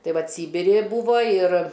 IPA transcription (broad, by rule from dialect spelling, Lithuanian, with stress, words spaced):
ˈtɐɪ ˈʋɐt ˈsʲiːbʲɪrʲɪ ɪ ˈbuːʋoː ɪr